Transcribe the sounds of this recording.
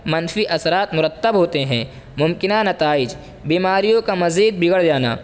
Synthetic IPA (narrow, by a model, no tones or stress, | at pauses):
mɐnfiʔɐsɾaːt̪mʊɾət̪ːəbɦoːt̪eɦɛ̰̃ː | mʊmkɪnanɐt̪aːɪd͡ʒ | biːmaːɾijõkamɐziːd̪̚bɪɡəɽd͡ʒaːna̰ː